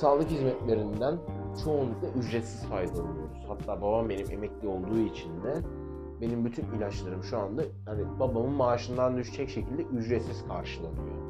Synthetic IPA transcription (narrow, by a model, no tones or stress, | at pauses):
saːlˠɯkhizmɛt̪lʲe̞ɾind̪ænt͡ʃʰo̞ːnlˠuklˠaʔyd͡ʒɾɛt̪siz̥fajd̪alˠɯjo̞ɾuz̥hat̪ʰːaːbabambe̞nimʔe̞mɛclʲio̞lˠd̪uːit͡ʃʰind̪ɛ | be̞nimbyt̪ʰynilʲat͡ʃlˠaɾɯmʃuand̪a | hanibabamɯnmaːʃɯnd̪and̪yʃt͡ʃʰɛcʃe̞cʰilʲd̪ɛʔyd͡ʒɾɛt̪siz̥kʰaɾʃɯlˠanɯjo̰